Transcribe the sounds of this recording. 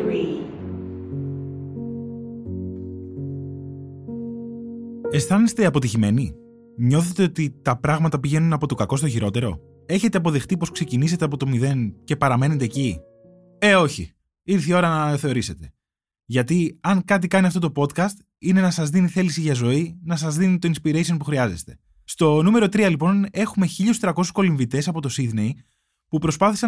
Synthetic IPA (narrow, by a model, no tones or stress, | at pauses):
e̞stθɐnist̪eɐpo̞t̪̬içime̞ni | ɲo̞θe̞t̪e̞o̞t̪it̪ɐpɾɐɣmɐt̪ɐpiʝe̞nunɐpo̞t̪o̞kɐko̞st̪o̞çiɾo̞t̪e̞ɾo̞̰ | e̞çe̞t̪e̞ɐpo̞ðe̞xt̪iposkse̞cinis̬e̞t̪e̞ɐpo̞t̪o̞miðe̞nce̞pɐɾɐme̞ne̞t̪eːci | e̞o̞çḭ | iɾθio̞ɾɐnɐθe̞o̞ɾise̞t̪e̞̥ | ʝɐt̪iɐŋkɐt̪ikɐniɐft̪o̞t̪o̞po̞t̪kɐst̪ | ine̞nɐsɐzðiniθe̞lisiʝɐzo̞inɐsɐzðinit̪o̞inspiɾesio̞npuxɾiɐze̞st̪e̞̥ | st̪o̞nume̞ɾo̞t̪ɾiɐlipo̞ne̞xume̞çiʎost̪ɾɐko̞su̥sko̞liɱvit̪e̞sɐpo̞t̪o̞sid̪ne̞j | pupɾo̞spɐθisɐ